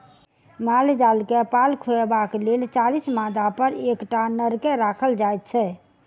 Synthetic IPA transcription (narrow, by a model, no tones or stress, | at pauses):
mald͡ʒalkepalkʰoebaklelt͡ʃalismad̪apəɾekʈanəɾkeɾakʰəld͡ʒajt̪̚t͡ʃʰɛ